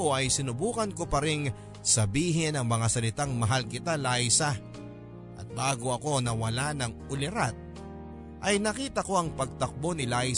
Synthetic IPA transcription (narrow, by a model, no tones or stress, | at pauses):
oʔɐjsɪnʊbuːkɐnko̞pɐɾɪŋ | sɐbiːɦɪnɐŋmɐŋasɐlɪt̪aŋmɐɦalkɪt̪alajsɐ | ʔɐt̪̚baːɡo̞ɐko̞nɐwɐlanɐŋʊlɪɾat̪̚ | ʔɐjnɐkiːt̪ɐko̞ɐŋpɐɡ̚t̪ɐk̚bo̞nɪlaj